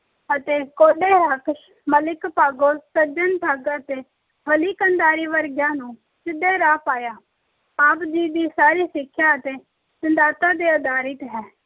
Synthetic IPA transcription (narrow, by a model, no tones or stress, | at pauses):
ət̪eːkoːɖeːɾəkʃ | məlɪkpaːɡoːsəd͡ʒənt̪ʰəɡət̪eː | bəliːkənd̪aːɾiːʋəɾɡjãːnũː | t͡ʃɪd̪eːɾaːpaːjaː | aːpd͡ʒiːd̪iːsaːɾiːsɪkʰːjaːət̪eː | t͡ʃənd̪aːt̪aːd̪eːəd̪aːɾɪt̪ɦɛː